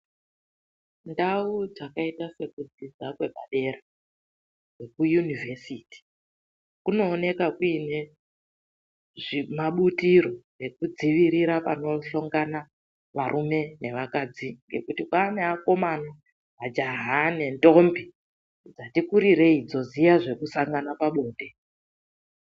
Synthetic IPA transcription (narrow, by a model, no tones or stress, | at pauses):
ndaud͡zakaitase̞kud͡zid͡zakwe̞ɓaɗe̞ɾa | we̞kujunive̞siːti̥ | kuno̞ːne̞kakuine̞ | ʐimaɓutiro̞ | ekud͡ziʋiɾiɾapa̰no̞ɬo̞ŋɡana | ʋaɾʔume̞ne̞ʋakad͡ziŋɡe̞̰kutikwaneako̞mana | ɦad͡ʒaɦane̞ndo̞mbi | d͡zatikuɾiɾe̞id͡zo̞zijaʐe̞kusaŋɡanapaɓo̞ːɗe̞